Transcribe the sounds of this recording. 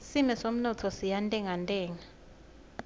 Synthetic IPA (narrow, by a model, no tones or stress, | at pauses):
simɛsom̩nɔtʰɔsijantʼɛŋantʼɛːŋa